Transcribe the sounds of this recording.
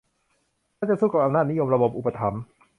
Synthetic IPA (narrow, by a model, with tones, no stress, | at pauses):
a˥˩t͡ɕa˨˩suː˥˩ka˧˩pʔa˧mnaː˥˩ni˦˥jo˧mɾa˧bo˨˩p̚ʔu˨˩pːa˧t̪ʰa˩˦m